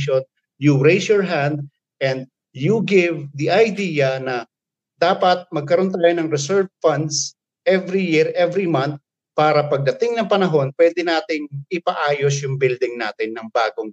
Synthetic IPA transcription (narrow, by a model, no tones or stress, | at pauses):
ʃon | juɹejsjɔɹɦand̪̚ | ʔɛ̃nd̪̚ | juɡɪvd̪iʔɐjd̪iːjɐnɐ | d̪aːpɐt̪̚mɐɡ̚kɐɾont̪aːjonɐŋɾɛsɛɹvfɐnd̪s | ʔɛvɾijɪɹʔɛvɾimant̪̚ | paːɾɐpɐɡ̚d̪ɐt̪ɪŋnɐŋpɐnɐɦo̞npwɛːd̪ɛnaːt̪ɪŋʔɪpɐʔaːjosjʊŋbɪld̪ɪŋnaːt̪ɪnːɐŋbaːɡoŋ